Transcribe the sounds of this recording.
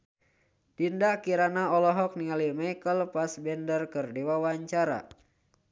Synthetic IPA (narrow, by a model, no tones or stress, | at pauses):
d̥indakiɾanaɔlɔɦɔk̚niŋalimajkəlpasbɛndərkərdewawaɲt͡ʃaɾa̰